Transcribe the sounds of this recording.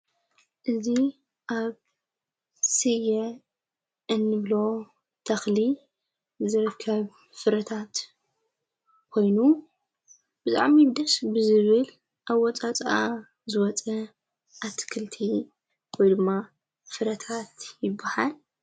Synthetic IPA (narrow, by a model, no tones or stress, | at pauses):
ʔɨzi | ʔaβ | sɨjɛ | ʔɨnːɨβlo | t̪ʰɐxli | zɨɾɨkʰːɐβ | fɨɾɐt̪ʰat̪ | kʰo̞jnu | b̥ɨt̪ʼa̰ʕmid̪ɐsbɨzɨβɨl | ʔawɔt͡sʼat͡sʼʔa | zɨwɔt͡sʼɐ | ʔat̪ʰːɨ̥kʰɨlt̪ʰi | wɔjd̪ɨmːa | fɨɾɐt̪ʰat̪jɪbːahal